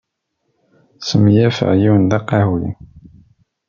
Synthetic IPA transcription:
səmjæfə̰ʕjiwənd̪ɑqɑhwḭn

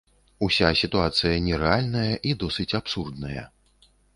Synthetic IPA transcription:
usʲasʲit̪uat̪sɨjɐnʲɛɾɛalʲnɐjɐʔid̪ɔsɨt͡sʲapsurd̪nɐjɐ̰

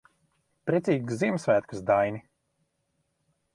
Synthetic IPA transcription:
pɾʲet̪sʲiːɡzzːiɛmsvæːt̪kɨsd̪ajnʲi

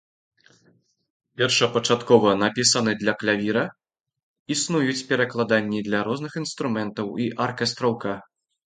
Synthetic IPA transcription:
pʲɛrʂɐpɐt͡ʂat̪kɔvɐnapʲisɐnɨd̪lʲɐklʲavʲiɾɐ | isnujut͡sʲpʲɛɾɐklˠad̪anʲːid̪lʲɐɾɔznɨxinst̪ɾumɛnt̪ɐwiʔarkɛst̪ɾɐwka

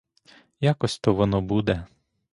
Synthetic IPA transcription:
jakɔsʲt̪ɔʋɔnɔbud̪ɛ

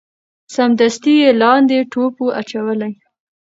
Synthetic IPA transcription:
samd̪ast̪ijelɑnd̪eʈopoʔat͡ʃawəlaj

